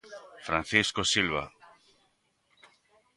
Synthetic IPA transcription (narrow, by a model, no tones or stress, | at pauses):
fɾãn̟θiskosilβa̰